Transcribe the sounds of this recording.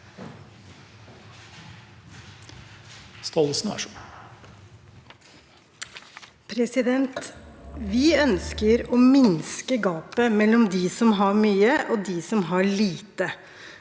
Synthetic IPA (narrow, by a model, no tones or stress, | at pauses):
st̪ɔlsnæ̰ʂɔ | pʰɾɛsɪd̪ɛnt̪ʋɪœnskəɾoːmɪnskəɡɑːpəmɛlːɔmd̪iːsɔmɦɑɾmyːəʔoːd̪iːsɔmɦɑɭiːt̪ə